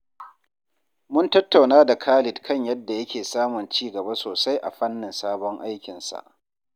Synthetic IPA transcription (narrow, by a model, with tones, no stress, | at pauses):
mʊ˦ntɐ˦tːa˨wnaː˦da˨kʰaː˦lɪ˨tkʰɐ˦˨ɲjɐ˦dːa˨jɐ˦kʲeː˨saː˦mʊ˨nt͡ʃiː˦ɡɐ˨ba˦soː˨sa˦jʔa̰˨ɸɐ˦nːɪ˨nsaː˦bɔ˦ŋʔa˦jkʲɪ˨nsa̰˨ʔ